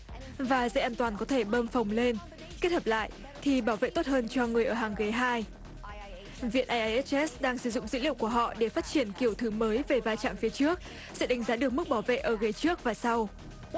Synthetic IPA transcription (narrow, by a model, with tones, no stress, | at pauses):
vaː˨˩zə̰˧˥ʔaː˧nt̪waː˨˩nkɔ˨˦t̪ʰe˧˩ɓəː˧mfə˨˩wŋ͡mle˧n | ke˦˥t̚hə˨˩p̚la̰ː˧˨jʔ | t̪ʰi˨˩ɓaː˧˩wvḛ˧˨t̪o˦˥t̚həː˧nt͡ɕɔ˧ŋɨ˨˩əjʔəː˧˩ɦaː˨˩ŋɣə˨˦jɦaː˧j | vḭ˧˨ənʔaː˧jʔa˧jʔɛ˦˥ʔɛ˦˥sɗaː˧ŋsɨ˧˩zʊ̰˧˨ŋ͡mzɨ̰˧˥lḭ˧˨əwku˧˩əɦɔ̰˧˨ɗe˧˩faː˦˥t̚t͡ɕi˧˩ənki˧˩əwt̪ʰɨ˨˦məː˨˦jve˨˩vaː˧jt͡ɕa̰ː˧˨mfi˨˦t͡ɕɨ˦˥ək̚ | sɛ̰˧˥ɗa˨˦ŋ̟zaː˨˦ɗɨ˨˩ək̚mɨ˦˥k̚ɓaː˧˩wvḛ˧˨ʔəː˧˩ɣə˨˦t͡ɕɨ˦˥ək̚vaː˨˩sa˧w